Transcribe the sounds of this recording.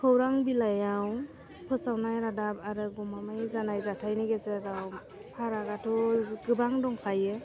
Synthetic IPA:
kʰɯwɾaŋbilajaw | pʰɯsawnajɾadap̚aɾɯɡɔmamɯjzanajzatʰajnɯɡezeɾaw | pʰaɾaɡatʰɔɡɯbaŋdɔŋpʰajɯ

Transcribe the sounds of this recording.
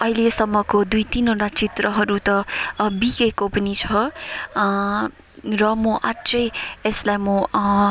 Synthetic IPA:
ʌɦilesʌmːʌkod̪ujt̪inoʈat͡sit̪rʌɦʌɾut̪ʌbiɡekopʌnit͡sʰʌ | rʌmoʔat͡sʌjeslajmo

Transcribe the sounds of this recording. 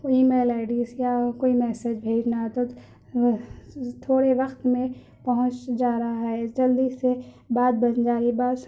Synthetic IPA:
koimeːlaːɪɖiːsjakoːimɛːsed͡ʒbʱeːd͡ʒnat̪o | t̪ʰoːɽeʋɐxt̪mẽ | pɐɦʊ̃t͡ʃd͡ʒaːɾɐaɦɛd͡ʒɐld̪ise | baːd̪̚bɐnd͡ʒaːibaːd̪

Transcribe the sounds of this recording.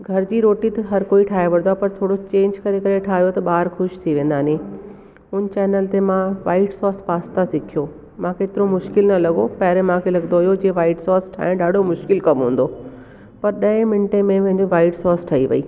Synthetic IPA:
ɡʱɐɾd͡ʑiːɾoːʈit̪ɐɦɐɾkoːiʈʰaːɦeʋɐɾ̃d̪wapɐɾt̪ʰoːɽot͡ɕẽːɲd͡ʑkɐɾekɐɾeʈʰaːɦijot̪ɐɓaːɾxʊʃt̪ʰiʋẽːnd̪aːnĩ | ʊn̆t͡ɕɛːnəlt̪emãʋa̰ːɪʈsɔːspaːst̪asɪkʰijoː | mãkeːt̪ɪɾomʊʃkɪlnɐlɐɠopɐːɾẽmãkʰelɐɡnd̪oɦijod͡ʑeːʋaːɪʈsɔːsʈʰa̰ːɪ̃ɗaːɖʱomʊʃkɪlkɐmɦũːn̆d̪oː | pɐɾɗɐẽmɪnʈẽmẽʋɐ̃ɦɪ̃ɲd͡ʑiʋaːɪʈsɔːsʈʰɐːiʋɐ̰ḭː

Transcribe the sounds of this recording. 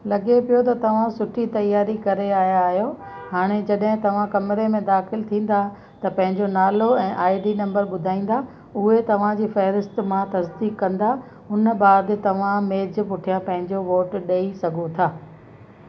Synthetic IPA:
lɐɡepijot̪ɐt̪ɐʋ̤ãsʊʈʰit̪ɐjaːɾikɐɾeaːɦjaːɦijo | ɦaːɽ̃ed͡ʑɐɗɦɪ̃t̪ɐʋ̤ãkɐmɾemẽd̪aːxɪlt̪ʰĩːn̆d̪a | t̪ɐpɐ̃ɦɪ̃ɲd͡ʑonaːloɛ̃ːʔaːɪɖinɐ̃mbəɾɓʊd̪ʱaːĩːn̆d̪a | ʊɦet̪ɐʋ̤ãd͡ʑiːfɛɦɾɪst̪mãt̪ɐsd̪iːkːɐ̃nd̪a | ʊnəɓaːd̪t̪ɐʋ̤ãmeːd͡ʑpʊʈʰijãpɐ̃ɦɪ̃ɲd͡ʑoʋoːʈɗeisɐɡʱot̪ʰaː

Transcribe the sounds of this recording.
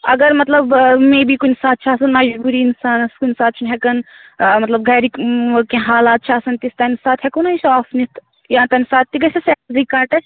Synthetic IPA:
ɐɡəɾmɐt̪lɐbmẽːbikunsaːt̪̚t͡ʃʰaːsɐnmɐd͡ʒbuːɾiːnsaːnɐskunsaːt̪̚t͡ʃʰinɦɛkɐn | mɐt̪lɐb̚ɡɐːɾikkãɦaːlaːt̪̚t͡ʃʰaːsɐnt̪ist̪ɐnsaːt̪ʰɦɛkonɐisɔːfnit̪ʰ | jãːt̪ɐnsaːt̪ːiɡɐsesɛkikaːʈɛ

